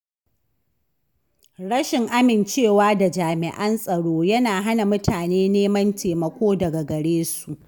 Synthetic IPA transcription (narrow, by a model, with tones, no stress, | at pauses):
ɽɐ˦ʃɪ˨ŋʔa˦mɪ˨nt͡ʃeː˦˨waː˦da˨d͡ʒaː˨mɪ˨ʔɐ˦nsʼɐ˨ɽoː˦jɐ˦naː˨ɦa˦na˨mʊ˦tʰaː˨neː˦neː˦mɐ˦ntʰeː˨mɐ˨kʷoː˦dɐ˨ɡa˨ɡɐ˨ɽeː˦su˨ʔ